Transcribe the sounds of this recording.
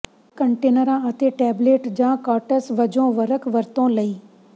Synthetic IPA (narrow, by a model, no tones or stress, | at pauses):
kə̃ɳʈeːnəɾãat̪eʈɛːbleːʈd͡ʑãːkaːʈəsʋɐd͡ʒõːʋɐɾəkʋɐɾt̪õlɐiː